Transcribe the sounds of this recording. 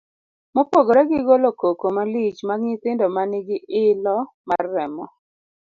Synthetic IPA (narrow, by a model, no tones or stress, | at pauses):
mopoɡoɾɛɡɪɡolokokomalit͡ʃmaɡŋɪt̪ɪndɔmanɪɡɪʔɪlɔ | marːɛmɔ